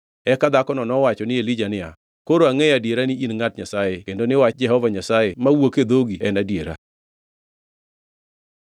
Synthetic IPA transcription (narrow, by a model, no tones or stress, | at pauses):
ɛkad̪akɔnɔnɔwat͡ʃɔnɪelid͡ʒanɪa̰ | koɾoaŋejadeɾanɪinŋatɲasajekendonɪwat͡ʃd͡ʒɛɦɔvaɲasajemawoked̪oɡiɛnadjeɾa̰